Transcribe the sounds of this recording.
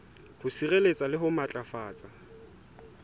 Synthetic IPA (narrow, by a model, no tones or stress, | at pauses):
hʊsirelet͡sʼalɪɦʊmat͡ɬʼafaːt͡sʼa